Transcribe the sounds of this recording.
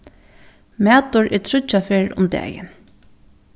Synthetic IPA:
mæːt̪ʊɹʔɛt̪ʰɾʊt͡ʃːafeːɹʊ̰md̪ɛ̰ːjɪ̰n

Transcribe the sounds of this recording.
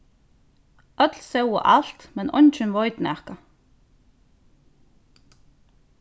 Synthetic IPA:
œt̪lsɛwə̰ʔa̰l̥t̪mɛnʔɔ̰nt͡ʃənʋɔʏt̪nɛʁka

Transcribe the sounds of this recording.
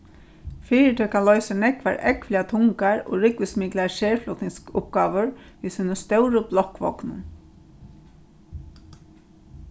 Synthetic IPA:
fiːɪt̪ʰɛːkʰanlɔʏsanɛkʋa̰ɾɛkʋliat̪ʰʊŋkaɹo̰ːɾɪkʋɪsmɪklaʃɛːɹflɔt̪nɪŋskʊp̚ɡ̥aːʋəɹʋiːsiːnəst̪œwɾʊblɔhkʋɔ̰knʊ̰n

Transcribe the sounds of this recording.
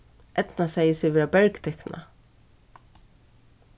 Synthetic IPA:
ʔɛt̪nasɛjəsɛʋɛːɾabɛɹkt̪ʰɛkna̰

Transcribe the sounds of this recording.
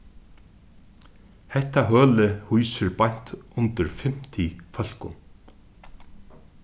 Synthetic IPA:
hɛt̪aɦœːlɪhujsɪɾpan̥t̪ʊnt̪ɪɾfɪm̥t̪ʰifœl̥kʊ̰n

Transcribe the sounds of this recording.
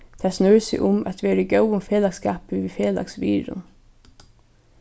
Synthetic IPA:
t̪ʰæːsnœɹsɪ̰ʔʊmʔæ̰t̪ʋeːɾəɡœwʊmfeːlɑɡskɑːpəʋiːfeːlɑ̰ksʋḭːɾʊ̰n

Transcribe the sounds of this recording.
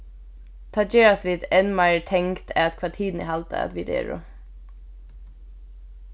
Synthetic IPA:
t̪ʰɑd͡ʒeːɹɑsʋɪt̪ɛnmɑɪəɹʈʰɛŋkt̪ʰæ̰ːt̪kʰʋɑʈʰiːd̪n̩ḭhɑlt̪ʰə̰ɛ̰t̪ʋɪd̪ḛːɹʊ̰

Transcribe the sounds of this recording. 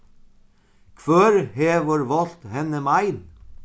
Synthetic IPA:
kʰʋœɾheːʋəɾʋɑlt̪hɛnəmɑɪn

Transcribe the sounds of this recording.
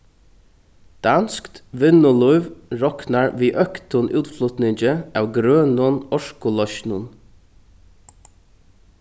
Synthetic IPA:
d̪̥ɑnskt̪ʋɪnʊlʊʏʋɹɔknaɹʋiːʔœkt̪ʊnʔʉ̰ːt̪flʊt̪nɪɲt͡ʃəæːwɡɾøːnʊnɔʃkʊlɔʃnʊn

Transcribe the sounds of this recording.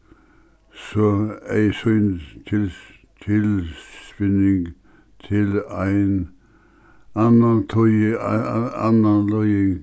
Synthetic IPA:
sɔæɪsœʏnt̪ʰɪl | t̪ʰɪlspɪnɪŋ | t̪ʰɪlæɪn | ɑnɑnt̪ʰɔj | ɑ̰nɑnlɔʏɪŋ

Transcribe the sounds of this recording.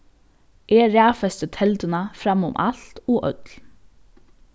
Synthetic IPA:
ʔeːɾæːfɛst̪ət̪ʰɛlt̪ənafɾamːʊ̰mʔa̰lt̪ɔːʔœt̪l

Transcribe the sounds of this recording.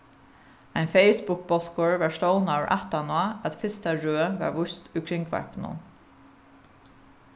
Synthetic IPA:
æɪnfeɪsbʊk̚bɔt̪koːɹʋæːʃloʊnɑɹʔæ̰t̪ɑnoɑʔæt̪fɪst̪ɑɹøːʋæ̰ːʋʊst̪ʉːkʰɹɪŋkʰʋæ̰ɹpn̩ṵn

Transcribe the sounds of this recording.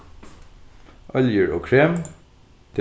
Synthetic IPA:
ʔɑljəɹo̰ːkʰɹeːm | t̪ʰ

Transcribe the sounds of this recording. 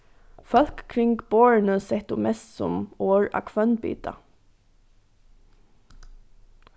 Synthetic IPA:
fœlkkʰɾɪŋɡboːɹənəsɛht̪ʊːmɛst̪sʊ̰moːɹɑ̰ːkʰʋœnbḭːt̪ɑ̰

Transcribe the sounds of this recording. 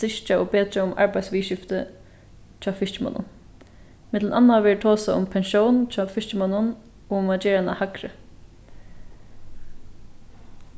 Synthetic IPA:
ɪʃt͡ʃaobeːt̪ɾaʊma̰ɹbajd̪sʋiːʃɪft̪ə | t͡ʃʰaːfɪʃt͡ʃɪma̰nːʊ̰n | mɪt̪lnanːaʋɛːɹt̪ʰoːsaʊ̰mpʰɛnʃownt͡ʃʰaːfɪʂt͡ʃɪmanːʊn | oːʊmad͡ʒɛːɹana̰hakɾə̰

